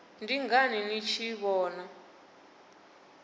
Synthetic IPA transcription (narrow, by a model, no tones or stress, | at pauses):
ndiŋɡaninit͡ʃʰiβɔːna